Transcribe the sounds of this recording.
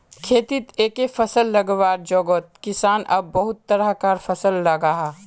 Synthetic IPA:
kʰeːt̪it̪eːkefɐsəlːɐɡʋaːɾd͡ʒɔːɡoːt̪̚kɪsaːnʔɐ̰bːɐɦʊt̪ːɐɾəɦkaːɾfʰɐsəlːɐɡaːɦa

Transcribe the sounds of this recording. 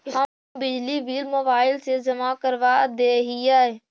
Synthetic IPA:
hə | bɪd͡ʒliʋiːlmoːbaːɪlsed͡ʒɐmakəɾʋad̪eːɦiɛ

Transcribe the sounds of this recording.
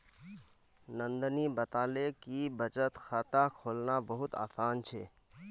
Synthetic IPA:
nə̃nd̪ənibət̪aːlekibət͡ʃət̪xat̪akʰoːlnabəɦʊt̪a̰ːsaːnt͡ʃʰeː

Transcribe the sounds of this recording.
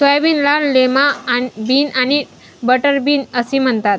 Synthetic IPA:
səjʋiːnlaɽlemabiːnani | bəʈəɾbʱiːnəsim̤əɳt̪at̪̚

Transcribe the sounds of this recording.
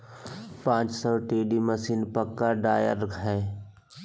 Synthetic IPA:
pãːt͡ʃsəːʈeːɖiməsiːnpəkːaɖaːjə̰ɾɡʱɛː

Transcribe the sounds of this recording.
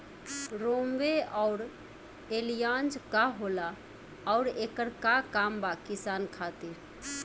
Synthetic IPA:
ɾomʋeɔʊɾ | elijãnd͡ʒkaɦolaː | ʊɾekəɾkakambakisankʰat̪iɾ

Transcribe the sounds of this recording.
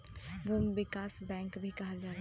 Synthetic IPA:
ʋəʋɪkaːsbɛ̃ːŋkbʱikɐɦad͡ʒaːɾ

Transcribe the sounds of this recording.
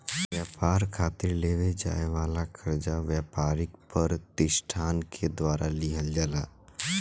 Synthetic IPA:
ʋjaːpaːɾkʰaːt̪ɪɾleːʋed͡ʒa̰ːeʋaːlakʰəɾd͡ʒaʋjaːpaːɾɪkpəɾt̪ɪʃʈʰaːnkʰed̪waːɾʔaliɦəld͡ʒaːlaː

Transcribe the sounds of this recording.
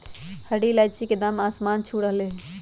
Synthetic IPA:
həɽilajt͡ʃʰiked̪amasmant͡ʃʰuɽəɦle

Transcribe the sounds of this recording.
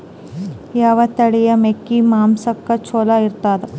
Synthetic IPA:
jaːʋɐt̪ɐɽijɐmekːimaːmsɐkːɐt͡ʃʰoːlɐiɾt̪aːd̪ɐ

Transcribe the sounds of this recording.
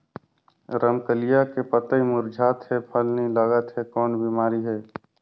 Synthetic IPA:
ɾəmkəlijakepət̪əimʊɾd͡ʒʱaːt̪ɦɛpʰəlniləɡət̪ɦɛkɔːnbimaːɾiɦɛː

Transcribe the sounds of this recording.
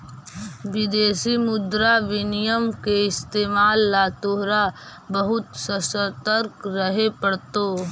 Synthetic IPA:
ʋɪd̪eːsimʊd̪ɾaʋɪnɪjəmkeɪst̪eːmaːlːaːt̪oɦɾa | bɐɦʊt̪səsət̪əɾkɾɐɦepɐɽt̪oː

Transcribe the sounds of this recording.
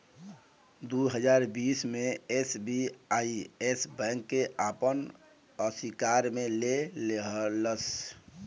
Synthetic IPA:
d̪uɦəd͡ʒaːɾbiːsmẽesbiaiesbɛ̃ŋkːeʔaːpən | əsikaɾmẽleleɦləs

